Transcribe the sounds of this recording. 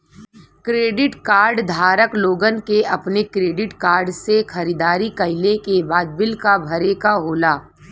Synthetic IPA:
kɾeːɖɪʈkaːɾɖd̪ʱaːɾəkloːɡənkeʔɐpnekɾeːɖɪʈkaːɾɖsexɐɾid̪aːɾikɐɪlekebaːd̪̚bɪlkabʱɐɾeːkaɦoːlaː

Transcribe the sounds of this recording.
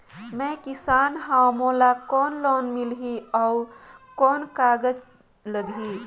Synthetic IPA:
mẽkisaːnɦamolakɔːnloːnmilɦiɔukɔːnkaɡəd͡ʒ | ləɡɦi

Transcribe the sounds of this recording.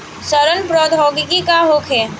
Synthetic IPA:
səɾənpɾɔːd̪ʱɔːɡɪkikaɦoːkʰeː

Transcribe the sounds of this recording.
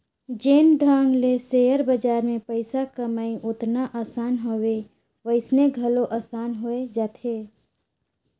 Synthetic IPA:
d͡ʒeːnɖʱaːŋɡlesejəɾbəd͡ʒaːɾmẽpəɪsakəməiʔʊt̪naʔaːsaːnɦowe | ʋəɪsneɡʱəloʔaːsaːnɦoed͡ʒaːt̪ʰe

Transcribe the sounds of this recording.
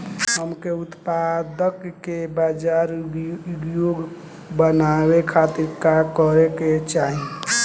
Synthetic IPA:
ɦəmkeut̪pad̪əkːebad͡ʒaɾɡjoɡ | bənawekʰat̪iɾkakəɾeket͡ʃaɦĩ

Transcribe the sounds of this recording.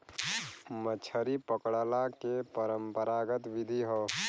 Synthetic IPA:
mət͡ʃʰəɾipəkɽəlakepəɾəmpəɾaɡət̪ʋid̪ʱiɦɔ

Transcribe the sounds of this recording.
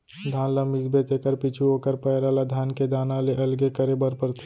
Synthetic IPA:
d̪ʱaːnləmizbet̪ekəɾpit͡ʃʰuoːkəɾpəjɾalad̪ʱjaːnked̪aːnaleʔɐlɡekəɾebəɾpəɾt̪ʰi̥

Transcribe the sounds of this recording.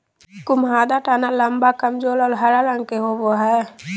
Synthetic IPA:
kʊmɦaːd̪aʈaːnaləmbakəmd͡ʒoːlɔːɾɦɐɾalə̃ŋɡkeɦoːboɦɛ

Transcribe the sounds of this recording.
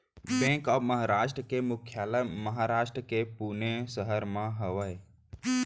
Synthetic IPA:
bẽkɔːməɦaɾaːʃʈɾəkemʊkʰːjaːləməɦaɾaːʃʈɾəkepunesəɦəɾmãɦəʋəj

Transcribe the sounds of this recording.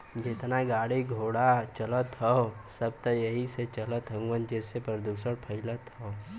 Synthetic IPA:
d͡ʒɪt̪naɡaːɽiɡʱoːɽat͡ʃɐlət̪ɦɔosəb̚t̪əjɐɦiset͡ʃɐlət̪ɦə̃ŋɡwənd͡ʒesepəɾəd̪uːsəɽpʰəɪlət̪ɦɔ

